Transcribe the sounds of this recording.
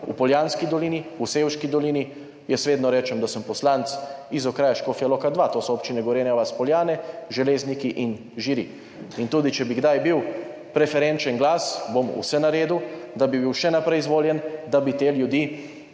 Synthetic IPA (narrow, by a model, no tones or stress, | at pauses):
ṵpɔljaːnskid̪ɔliːniuseːwʃkid̪ɔliːni | jɛsʋeːd̪nɔɾɛːt͡ʃɛmd̪asəmpɔslant̪sizɔkɾaːjaʃkoːfiɛloːkad̪ʋat̪oːsɔoːp̚t͡ʃinɛɡɔʋɔɾjeːnjaʋaspɔljaːnɛʒɛleːznikiʔin | ʒiɾḭ | int̪uːd̪it͡ʃɛbiɡd̪ajbiw | pɾɛfɛɾɛnt͡ʃɛnɡlaːsbomṵsɛnaɾeːd̪ud̪abibiwʃɛnapɾɛjzʋoːljɛnd̪abit̪eljud̪iː